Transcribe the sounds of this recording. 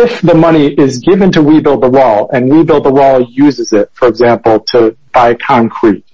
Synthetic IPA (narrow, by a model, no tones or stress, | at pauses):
ɪfðəmʌɾ̃iʔɪzɡɪvɨ̃ntʰɨwibɪlˠd̪̚ðəwɔlˠɨ̃nwibɪlˠd̪̚ðəwɔlˠjʉzɨzɪt̚fə˞ɨɡzæ̃mpl̩ˠtʰəb̥aɪkʰɑ̃ŋkʰɹ̥it̚